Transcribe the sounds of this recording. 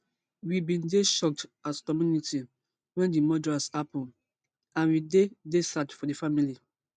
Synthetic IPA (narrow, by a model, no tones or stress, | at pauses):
wibĩndeʃɔk̚taskɔmjuniti | wɛ̃ndimɔdɹasapɔ̃n | ãnwidedesatfɔdefamili